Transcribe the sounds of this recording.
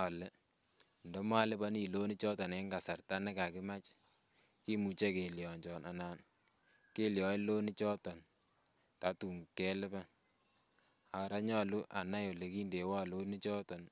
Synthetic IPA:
a˨lɪ˦ | ndɔ˦ma˦lɪ˦pɔ˦ni˨lo˦ni˦t͡ʃɔ˦tɔ˨ne˦ŋɡa˨sa˨rta˦nɛ˦ka˨kɪ˦ma˦t͡ʃ | ki˦mu˨t͡ʃe˦ke˨ljɔ˨ɲd͡ʒɔ˨nʔa̰˨naː˨n | ke˦ljɔ˨˦i˦lo˦ni˦t͡ʃɔ˦tɔ˨n | ta˨tu˨ŋkɛ˦lɪ˦pɛ˦ | a˨ɾa˦ɲɔ˦lu˦ʔa˨na˦jo˨le˨kiː˦nde˨wɔ˦lo˦ni˦t͡ʃɔ˦tɔ˨n

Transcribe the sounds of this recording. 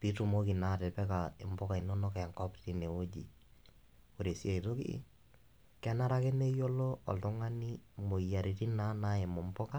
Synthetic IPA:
pi˦tu˨mo˦ki˨na˦tɛ˨pɛ˦ka˨ɪ˨mbɔ˦ka˨i˨no˦nɔ˦kɛ˨a˨ŋkɔ˦pti˦ne˨o˦d͡ʒi˨ | o˨ɾe˨si˦a˨i˨to˦kḭ˦ | kɛ˦na˦ɾa˦kɪ˦ne˦jɔ˦lɔ˦ɔ̰˨ltʊ˦ŋa˦ni˦mo˨ja˨ɾi˨ti˦na˦na˦e˨mɔ˨mpɔ˦ka˦

